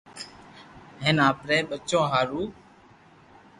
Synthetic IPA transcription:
ɦeːnaːpɾeːɓət͡ʃõːɦaːɾuː

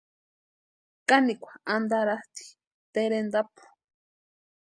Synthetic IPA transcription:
kanikʷḁand̪aɾaht̪i̥ | t̪eɾend̪apu̥

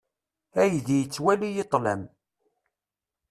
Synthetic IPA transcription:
æjðijət͡sːwælijet̪ˤːləm

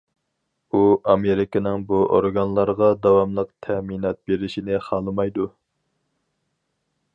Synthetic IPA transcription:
uɑmeɾɪkɪnɪŋbuʔo̰ɾɡɑnlˠɑɾʁɑd̪ɑwɑmlˠəqt̪ʰɛminɑt̪̚beɾɪʃinɪχɑlˠɨmɑjd̪u

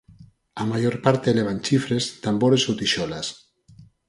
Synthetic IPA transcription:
amaʒoɾpaɾt̪eleβ̞anʲt͡ʃifɾezt̪amboɾezowt̪iʃɔlas

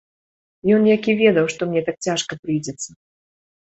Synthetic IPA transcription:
jɔnjakʲivʲɛd̪ɐwʂt̪ɔmnʲɛt̪ak̚t͡sʲaʂkɐpɾɨjd͡zʲɛt̪sːɐ

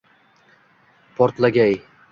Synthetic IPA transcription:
pʰɒɾt̪laɡʲaj

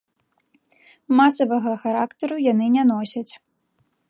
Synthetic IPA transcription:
masɐvɐɣɐxaɾakt̪ɐɾujanɨnʲɛnɔsʲɐt͡sʲ

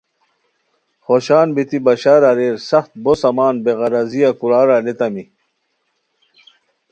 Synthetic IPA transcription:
χoɕaːnbit̪ibɐɕaːɾɐɾeːɾsɐχt̪̚bosɐmaːnbeʁɐɾɐzijakuɾaːɾalet̪ɐmi

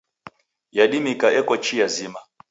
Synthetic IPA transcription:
jaɗimikaɛkɔt͡ʃijazima

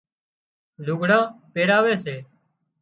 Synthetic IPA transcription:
luːɡʱɽãːpeːɾaːʋeːseː

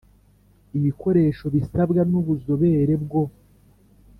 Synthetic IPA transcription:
iβiko̞ɾe̞ːʃo̞βisabɡanuβuzo̞βe̞ːɾe̞bɡo̞

